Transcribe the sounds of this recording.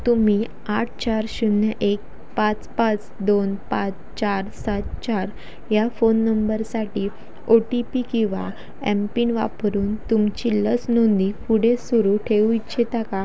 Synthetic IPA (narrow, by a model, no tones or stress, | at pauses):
t̪umi | aʈ̚ʰt͡ɕaɾɕunːəʔek̚ | pat͡spãt͡s | d̪onpãt͡s | t͡ɕaɾsat̪t͡ɕaɾ | jafonːəmbəɾsaʈi | oʈipikĩw̃ʋa̰ | ɛmpinʋa̰pɾuːnt̪umt͡ɕilət͡snond̪ipuɽ̤esuɾuʈʰeʋuit͡ɕʰet̪aka